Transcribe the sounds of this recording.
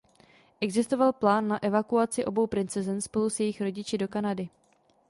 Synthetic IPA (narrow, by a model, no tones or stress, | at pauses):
ʔɛɡzɪst̪ovalplaːnːaʔɛvakuat͡sɪʔo̞bo̞wpɾɪnt͡sɛzɛnspo̞lusjɛjɪxɾo̞ɟɪt͡ʃɪdo̞kanadɪ